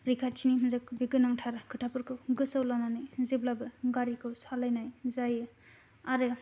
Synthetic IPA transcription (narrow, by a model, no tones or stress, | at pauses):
ɾikʰaɾ̚t͡ʃʰinimɯnzɯk̚biɡɯnaŋtʰaɾkʰɯʈʰapɯɾkʰɯwɡɯsawlananɯjzeblabɯɡaɾikʰɯwsʰalajnajzajɯ | aɾɯ